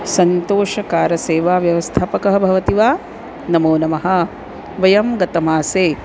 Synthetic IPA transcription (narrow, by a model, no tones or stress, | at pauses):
sɐnt̪oːʃɐkaːɾɐseːʋaːʋjɐʋɐst̪ʰaːpɐkɐɦɐbʱɐʋɐt̪iʋaː | nɐmoːnɐmɐɦɐ | ʋɐjɐmɡɐt̪ɐmaːseː